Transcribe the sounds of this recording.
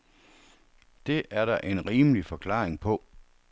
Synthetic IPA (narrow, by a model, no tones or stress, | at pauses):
d̥e̝ʔæɐɾɑʔe̝nʁiːməlifɒ̽kʰlɑ̰̈ːeŋpʰɔ̽